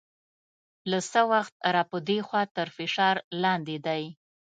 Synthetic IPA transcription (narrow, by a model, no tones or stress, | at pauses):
lasəwaxt̪̚ɾɑpəd̪exwɑt̪əɾfɪʃɑɾlɑnd̪ed̪aj